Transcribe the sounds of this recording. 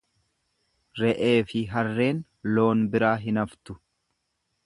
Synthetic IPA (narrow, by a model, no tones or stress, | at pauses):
ɾɛʔe̞ːfɪɦɐrːe̞ːn | lo̞ːnbɪɾaːɦɪnɐft̪ʊ̥